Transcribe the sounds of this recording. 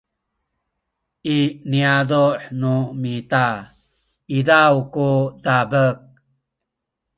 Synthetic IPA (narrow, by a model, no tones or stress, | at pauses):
iniaduħnumita | idawkudabək̚